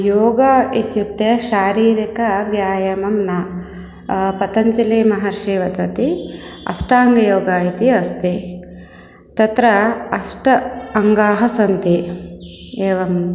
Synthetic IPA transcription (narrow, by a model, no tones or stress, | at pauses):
joːɡɐit̪jut̪ːeːʃaːɾiːɾikɐʋjaːjɐmɐmnɐ | pɐt̪ɐɲt͡ʃilimɐɦɐɾʂiːʋɐd̪ɐt̪iɐ̰sʈaːŋɡɐjoːɡaːit̪iɐst̪i | t̪ɐt̪ɾɐɐsʈɐɐŋɡaːɦɐsɐnt̪i | eːʋɐmɐ